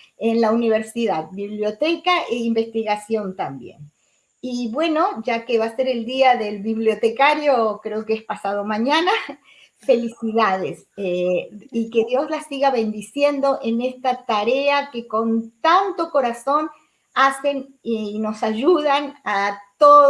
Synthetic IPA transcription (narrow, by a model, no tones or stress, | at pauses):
enlauniβ̞eɾsiðað̚biβljo̞t̪ekaʔeimbe̞st̪iɣasjo̞nt̪ambjḛn | iβwe̞no̞ʒake̞βase̞ɾe̞ld̪iaðe̞lβiβljo̞t̪ekaɾjokɾeokeespasað̞o̞mãɲana | fe̞lisiðaðes | eike̞ðjo̞zlasiɣaβe̞nd̪isje̞nd̪o̞ʔene̞st̪at̪aɾeake̞ko̞nt̪ant̪o̞ko̞ɾaso̞n | ase̞n | ino̞saʒuðanat̪o